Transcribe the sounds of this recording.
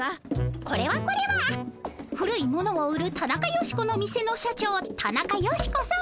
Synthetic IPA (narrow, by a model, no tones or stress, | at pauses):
ako̞ɾe̞βako̞ɾe̞βa | ɸɯ̟ɾɯ̟imo̞no̞ːɯ̟ɾɯ̟t̪anakajo̞ɕi̥ko̞no̞mʲise̞no̞ɕat͡ɕo̞ːt̪ʰanakajo̞ɕi̥ko̞sã